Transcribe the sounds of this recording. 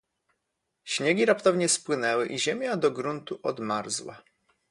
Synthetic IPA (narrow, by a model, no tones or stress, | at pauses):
ɕɲɛɡʲiɾapt̪ɔvɲɛspwɘnɛwɘʔiʑɛmʲjad̪ɔɡɾunt̪uʔɔd̪maɾzwa̰